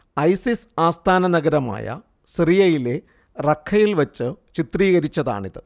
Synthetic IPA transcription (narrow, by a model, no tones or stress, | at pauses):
ɐjsisaːst̪ʰaːnɐnɐɣɐɾɐma̰ːjɐ̰ | srijɐjile̞ | rɐkʰːɐjilʋɐt͡ɕːɨt͡ɕit̪riːɣɐɾit͡ɕːɐða̰ːɳiðɨ̰